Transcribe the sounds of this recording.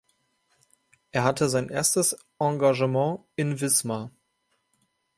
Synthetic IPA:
ʔeːɐɦatʰəzaɪnʔeːɐstəs | ʔɑ̃ɡaʒəmɑ̃ː | ɪnvɪsma

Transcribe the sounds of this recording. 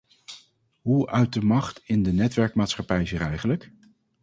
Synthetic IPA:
ɦuœɥ̚dəmɑχtɪndənɛtʋɛɹkmaːtsχɑpɛjziːɾɛjχənlək

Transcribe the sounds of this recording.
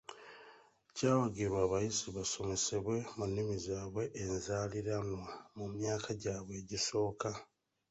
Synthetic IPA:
caːwaɡiɾwaːβajiziβaso̞me̞seβwe̞munːimizaːβwe̞ʔːnzaːliɾanwamumjaːkʰaɟaːβwe̞ːɟiso̞ːka

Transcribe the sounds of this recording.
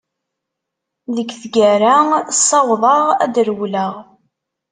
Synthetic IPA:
ðəɡθɡæɾasˤːɑwðˤɑʁæ̰d̪əɾwləʁ

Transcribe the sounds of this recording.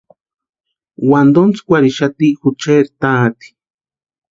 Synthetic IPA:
wand̪ont͡skʷaɾiʃat̪ixut͡ʃeɾt̪aːt̪i̥

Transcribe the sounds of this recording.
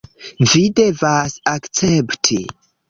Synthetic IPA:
vide̞vasakt͡septʰḭ

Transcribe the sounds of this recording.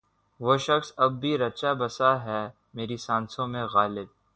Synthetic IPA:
ʋoːʃɐxsɐbːʱiɾɐt͡ʃabɐsaɦɛː | meːɾisãːnsõmẽɣaːlɪd̪̚

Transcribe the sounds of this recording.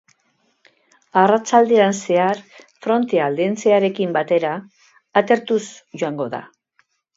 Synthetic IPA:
arat͡ʃald̪eanse̞aɾfɾo̞nt̪e̞ald̪ent͡se̞aɾe̞kimbat̪e̞ɾaː | t̪e̞ɾt̪usʝoaŋɡo̞ða̰

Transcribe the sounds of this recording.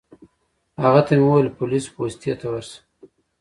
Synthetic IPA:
haɣat̪ameuwajlpʊlispost̪ijat̪awaɾsə̥

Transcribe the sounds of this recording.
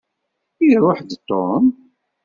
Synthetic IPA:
iɾˤoħd̪t̪ːom

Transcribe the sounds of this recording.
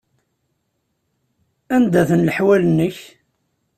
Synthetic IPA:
ænd̪æθənləħwælənːəç

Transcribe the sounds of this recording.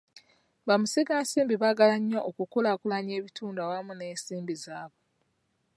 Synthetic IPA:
βamusiɡaːsiːmbiβaɡalaɲːoʔokukulakulaɲe̞ːβitʰuːndawamuneːnsiːmbizaːβo

